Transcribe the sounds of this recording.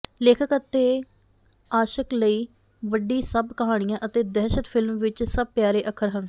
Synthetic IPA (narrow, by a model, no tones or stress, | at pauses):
leːkʰəkət̪eː | aːʃəkləiː | ʋəɖːiːsəbkəɦaːɽ̃ijãːʔət̪eːd̪ɛːʃət̪pʰɪlmʋɪt͡ʃsəb̚pjaːɾeːʔəkʰəɾɦən